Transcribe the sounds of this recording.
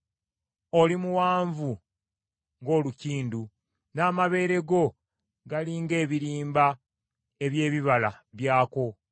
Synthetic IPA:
o̞limuwaːɱvu | ŋɡo̞ːluciːndu | naːmaβe̞ːɾe̞ɡo̞ | ɡaliːŋɡe̞ːβiɾiːmba | e̞βje̞ːβiβalaβjaːko̞

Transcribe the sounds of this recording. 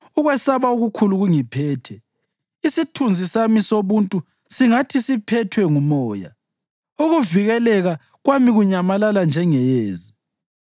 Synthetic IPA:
uɣwɛsaβauɣukʰuluɣuŋipʰɛːtʰɛ | isitʰund͡zʱisamisoβuntʼu | siŋatʰisipʰɛtʰwɛŋumɔːja̰ | uɣuviɣɛlɛɣa | ɣwamiɣuɲamalaland͡ʒʱɛŋɛjeːzi

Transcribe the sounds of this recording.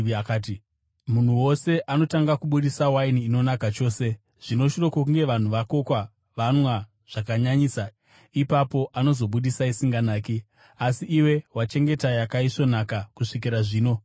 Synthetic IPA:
akaːti | mun̤uwo̞se̞ʔano̞taŋɡakuɓuɗisawainiːno̞nakat͡ʃo̞ːse̞ | ʐ̥ino̞ʃiro̞kokuŋɡe̞ʋan̤uʋako̞kwa | ʋanwa | ʐ̥akaɲaɲiːsa | ipapo̞ʔano̞zo̞ɓuɗisaisiŋɡanaːki | asiʔːwe̞wat͡ʃe̞ŋɡe̞tajakaiʂo̞nakakuʂik̬iɾaʐiːno̞

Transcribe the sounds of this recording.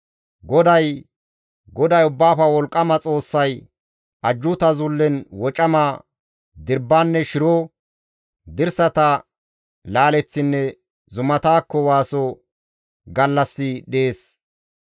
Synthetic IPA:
ɡɔd̪ɐj | ɡɔd̪ɐjʊbːaːfɐwɔlkʼːɐmɐt͡sʼo̞ːsːɐj | ʔɐd͡ʒːʊt̪ɐzʊlːɛnwɔt͡ʃʼɐma | d̪ɪɾbːaːnːɛʃɪɾoː | d̪ɪɾsɐt̪ɐ | laːlɛt͡sːɪnːɛ | zʊmɐt̪aːkːɔwaːsɔ | ɡɐlːɐsːɪɗeːs

